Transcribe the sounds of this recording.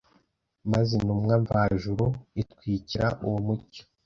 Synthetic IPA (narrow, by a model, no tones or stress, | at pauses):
mazenumŋaɱvaʒuɾuitkwiːciɾaʔuwomuco̥